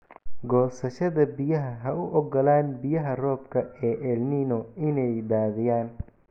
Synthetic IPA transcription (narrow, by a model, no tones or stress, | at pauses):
ɡɔːsɐʃɐðɐbɪjɐɦɐɦɐʊʔɔɡɔlaːnbɪjɐɦɐrɔːb̚kʰɐɛːʔɛlninɔɪnɛjd̪aːðɪjaːn